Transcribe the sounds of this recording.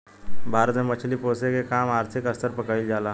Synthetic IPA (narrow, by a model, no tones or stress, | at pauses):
bʱaɾt̪mẽmət͡ʃʰliposekekamaɾt̪ʰikəst̪əɾpəkaild͡ʒala